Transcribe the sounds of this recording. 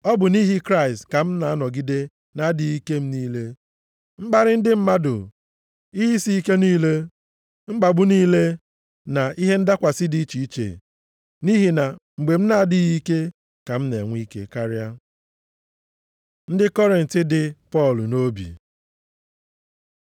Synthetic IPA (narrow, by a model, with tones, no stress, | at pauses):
ɔ˦bʊ˨ni˦ɦi˦kɾa˦ɪ˨stka˨m̩˦na˨a˦nɔ˨ɡi˦de˦ | na˦di˨˦ɣi˦ke˦m̩˦ni˦le˦ | ŋ͡m̩˦ɡ͡ba˦ɾɪ˦n̩˦dɪ˦m̩˦ma˦dʊ̰˨ | i˦ɦi˦si˦i˦ke˦niː˦le˦ | ŋ͡m̩˦ɡ͡ba˨bʊ˦niː˦le˦ | na˨i˦ɦe˦n̩˦da˦kʷa˨sɪ˦di˦t͡ʃi˨i˦t͡ʃḛ˨ | ni˦ɦi˨na˨ŋ͡m̩˨ɡ͡be˨m̩˦na˦dɪ˦ɣi˦ke˦ | ka˨m̩˦nḛ˨ŋʷi˦ke˦ka˦ɾja˦ | n̩˦dɪ˦kɔ˦ɾɪ˨n̩˨tɪ˦dɪ˨pɔ˦˨lno˦bḭ˨